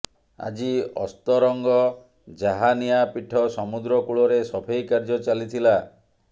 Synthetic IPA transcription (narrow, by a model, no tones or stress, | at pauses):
a̰d͡ʒiɔ̰st̪ɔɾɔŋɡɔ | d͡ʒaɦanijapiʈʰɔsɔmud̪ɾɔkuɭɔɾesɔbʱejkaɾd͡ʒɔt͡ʃalit̪ʰila